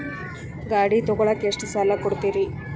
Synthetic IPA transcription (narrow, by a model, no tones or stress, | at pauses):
ɡaːɽit̪ɔɡɔɭɐkːeʂʈisaːlɐkɔɽut̪iːɾi